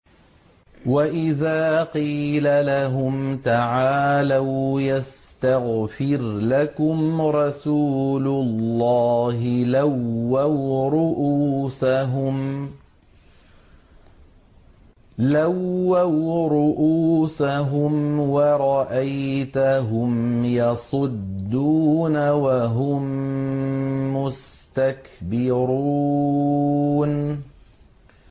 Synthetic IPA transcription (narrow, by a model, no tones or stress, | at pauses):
waʔɪðaːqiːlalaɦʊmt̪aʕaːlawjast̪aɣfɪɾlakʊmɾˤɑsuːlʊlːɑːɦɪlawːawɾʊʔuːsaɦʊm | lawːawɾʊʔuːsaɦʊmwɑɾˤɑʔajt̪aɦʊmjɑsˤʊd̪ːuːnawaɦʊm | ʊst̪akbɪɾuː | n